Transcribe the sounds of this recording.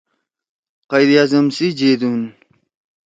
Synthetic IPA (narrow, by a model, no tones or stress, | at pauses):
qajd̪ijaːzɐmsid͡ʑed̪un